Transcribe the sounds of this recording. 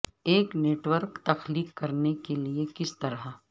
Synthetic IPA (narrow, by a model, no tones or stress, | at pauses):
eːkneːʈwəɾkt̪ɐxliːkːɐɾnekeliekɪst̪ɐɾa